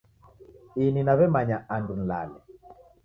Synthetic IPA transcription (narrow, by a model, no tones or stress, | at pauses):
ininaβɛmaɲaʔandun̩la̰lɛ